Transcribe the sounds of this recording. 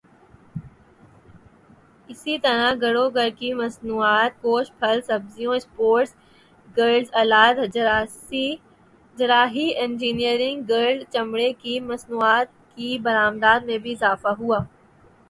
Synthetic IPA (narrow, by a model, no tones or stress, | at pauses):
ɪsit̪ɐɾaɡɐɽoɡɐɾkimɐsnuːaːt̪̚koːʃpʰɐlsɐbzijõɪspoːɾʈs | ɡəɾɖzɐlaːd̪ | i | d͡ʒɾaːɦiẽnd͡ʒiːnijəɾɪ̃ŋɡːɐɾzt͡ɕɐmɽekimɐsnuːaːt̪̚ | kibɐɾaːmd̪aːd̪mẽbʱiɪzaːfaɦuaː